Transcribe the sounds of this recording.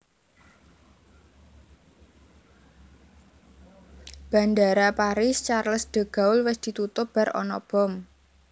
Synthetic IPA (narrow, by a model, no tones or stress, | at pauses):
b̥a̤nd̪aɾapaɾɪst͡ʃarləsd̪̥ə̤ɡ̥ä̤ʊlwɪsd̪̥i̤t̪ut̪ʊpb̥a̤ɾɔ̰nɔb̥ɔ̤m